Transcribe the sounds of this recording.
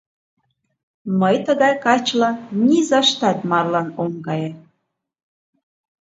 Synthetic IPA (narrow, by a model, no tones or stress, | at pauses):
məjt̪əɣɑjkɑt͡ɕlɑnʲizɑʃt̪ɑt̪mɑrlɑnoŋɡɑje